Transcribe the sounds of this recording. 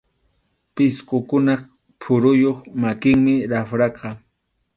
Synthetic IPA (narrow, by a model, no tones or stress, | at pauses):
pɪsqokʊnɑχ | pʰʊɾʊjoχmakɪŋmɪɾafɾɑqɑ